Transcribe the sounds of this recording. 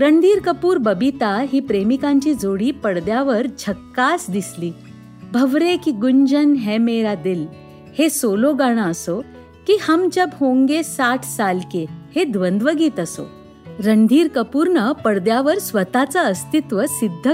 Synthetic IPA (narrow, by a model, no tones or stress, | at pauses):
ɾəɳd̪ʱiːɾkəpuːɾbəbit̪aɦiːpɾemikãɲt͡ɕiːd͡zoɽiːpəɽd̪jaʋəɾd͡ʑʱəkːasd̪isliː | bʱəʋɾekiɡuɲd͡ʑənɦemeɾad̪il | hesoloɡaɽ̃aəso | kiːhəmd͡ʑəbhõŋɡesaʈʰsalkehed̪ʋənd̪ʋəɡiːt̪əso̰ | ɾənd̪ʱiːɾkəpuːɾnəpəɽd̪jaʋəɾsʋət̪at͡saəst̪it̪ʋəsid̪ʱːə